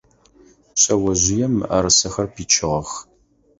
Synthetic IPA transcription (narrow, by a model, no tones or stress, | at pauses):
ɕʼɐwɐʑʷɪjɛmːɨ̰ʔɐɾɨsɐxɐrpʰiːt͡ʃʰɪʁɐx